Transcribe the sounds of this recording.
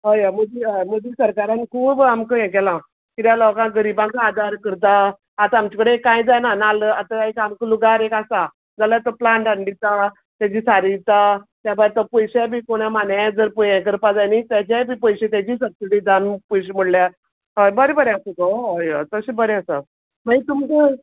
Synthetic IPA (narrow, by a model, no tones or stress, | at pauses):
ɦəjaməd̪iɦəjməd̪isəɾkaɾãnkʰuːbamkəjɛ̃k̬ɛlã | kiɾjalɔkãɡəɾibãŋkaad̪aɾkəɾt̪̬a | at̪aamt͡ɕikɽekːãjd͡zajnanaləat̪aaekamkəluɡaɾekasa | d͡zalət̪ɔplaɳʈaɳɖit̪a | t̪jad͡ʑiːsaɾit̪at̪jabaɾt̪əpəjɕabʱiːkoɽ̃amanjãd͡zəɾpəjɛ̃k̬əɾpad͡zajnit̪jat͡ɕabʱiːpəjɕet̪̬jad͡ʑiːs̬əpsiʈiːd̪anpəjɕem̤əɽlja | ɦojbəɾebəɾeasəɡɔojat̪əsibəɾeasa̰ | mait̪umkə